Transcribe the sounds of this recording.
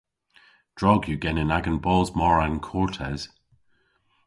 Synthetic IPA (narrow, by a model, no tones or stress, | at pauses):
d̥ɹɔɡjəɡɛnɪnaɡə̃nbɔlˠzmɔɹə̃nkʰɔɹtʰɛz̥